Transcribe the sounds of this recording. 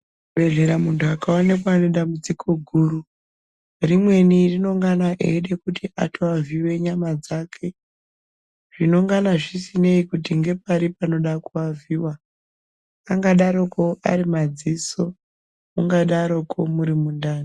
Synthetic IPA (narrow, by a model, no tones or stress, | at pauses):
ɓe̞ɮe̞ɾamuntʰuakaone̞kwane̞ɗambud͡zikʰo̞ɡʱuːru | rimwe̞nirino̞ŋɡanaʔeɗe̞kutʰiʔatʰoaviwe̞ɲamad͡zakʰe̞ | ʐ̥ino̞ŋɡanaʐisine̞ikutiŋɡe̞paɾipano̞ɗakuaviwa | ŋɡaɗaɾo̞koa̰ɾimad͡ziso | muŋɡaɗaɾo̞kʰomuɾimundaːni